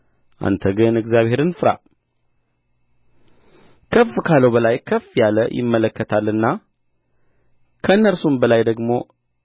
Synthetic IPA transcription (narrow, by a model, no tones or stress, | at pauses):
ʔa̰nt̪ʰəɡɨnɨɡzjaβhe̞ɾɨnfɨɾa̰ | kʰəfkʰaləwbəlajkʰəfjaləjɪ̰mːələkːət̪ʰalːɨnːa | kʰəɨnːəɾsumbəlajd̪əɡmo̞̰